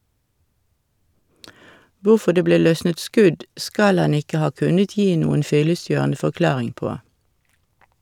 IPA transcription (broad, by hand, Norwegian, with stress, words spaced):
ˈʋuːfɔ ˈdeː ˈbleː ˈlœsnət ˈskʉd ˈskɑl ˈɑn ˈɪkə ˈhɑː ˈkʉnət ˈjiː ˈnuːən ˈfʏləˌsjøːʁnə fɔʁˈklɑːʁɪŋ ˈpoː